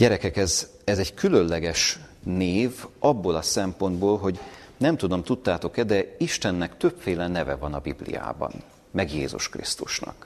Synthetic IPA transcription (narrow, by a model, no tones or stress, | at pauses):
ɟɛɾɛkɛkɛz | ɛzɛɟkylø̞nlɛɡɛʃneːvɒbːolɒsɛmpo̞nd̪boːlɦo̞ɟnɛmt̪ud̪o̞mt̪ut̪ːaːt̪o̞kɛd̪ɛiʃt̪ɛnːɛkt̪ø̞pfeːlɛnɛvɛvɒnɒbiblḭja̰ːbɒ̰n | mɛɡjḛːzṵʃkrḭst̪uʃnɒ̰k